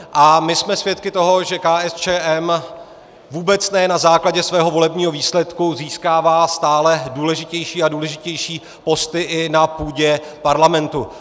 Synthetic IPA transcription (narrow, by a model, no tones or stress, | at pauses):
ʔamɪsmɛsvjɛt̪kɪt̪o̞ɦo̞ʒɛkaːɛst͡ʃɛːʔɛm | vuːbɛt͡snɛjnazaːklaɟɛsvɛːɦo̞vo̞lɛbɲiːɦo̞viːslɛt̪kuziːskaːvaːst̪aːlɛduːlɛʒɪcɛjʃiːaduːlɛʒɪcɛjʃiː | po̞st̪ɪʔɪnapuːɟɛpaɾlamɛnt̪u